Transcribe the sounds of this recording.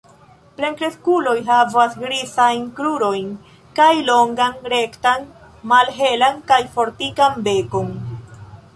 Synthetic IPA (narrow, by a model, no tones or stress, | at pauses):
pleŋkɾe̞skulo̞jɦavasɡɾisajnkɾuɾo̞jn | kajlo̞ŋɡanɾe̞ktan | malɦe̞lankajfo̞ɾtikanbe̞ko̞n